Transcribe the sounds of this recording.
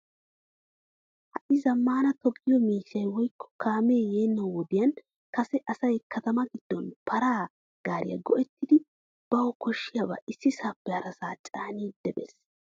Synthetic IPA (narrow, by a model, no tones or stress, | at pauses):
hɐʔɪzɐmːaːnɐt̪ɔɡːɪjɔmiːʃɐjwɔjkʰːɔ̥kʰaːmeːjeːnːɐwwɔd̪ɪjɐn | kɐsɛʔɐsɐjkʰɐt̪ɐmɐɡɪd̪̥ːɔnpʰɐɾaː | ɡ̥aːɾɪjɐ̰ɡɔʔɛt̪ːɪd̪ɪ | b̥ɐwɔkɔʃːɪjɐbɐ̰ʔɪsːɪsaːpːɛɐɾɐsaːt͡ʃʼaːniːd̪ːɛbɛ̰s